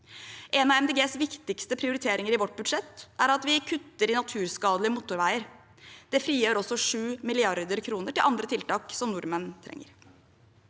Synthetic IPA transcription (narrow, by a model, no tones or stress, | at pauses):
ʔenɑːʋɛmd̪eːɡeːsʋɪkt̪ɪkst̪əpʰɾɪʊɾɪt̪ʰeːɾɪŋəɾɪʋɔʈ̚ːbʉd̪ʂɛt̪ːæɾɑt̪ʋɪkʰʉt̪ːəɾɪnɑt̪ʰʉːɾskɑːd̪əlɪmuːt̪ːʊɾʋæɪəɾ | d̪̥ɛfɾiːjøːɾɔsːɔʂʉːmɪlɪɑɾd̪əɾkʰɾuːnəʈɪlɑnd̪ɾət̪ʰɪlt̪ɑːksɔmnʊɾmənt̪ʰɾɛ̰ŋːə̰ɾ